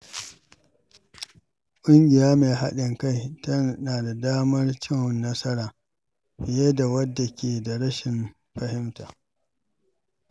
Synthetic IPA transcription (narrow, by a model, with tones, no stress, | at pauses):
kʷʼʊ˦ŋɡʲɪ˨jaː˦meː˨ɦa̰˦ɗɪ˨ŋka˦˨jtɐ˦naː˨da˨daː˦mɐ˦rt͡ʃɪ˦ŋ˨nːɐ˦sɐ˦ɾaː˨ | ɸɪ˨je˦da˨wɐ˦dːa˨kʲeː˨da˨ɽɐ˦ʃɪ˨m | ɸɐ˦hɪ˦mta̰ː˨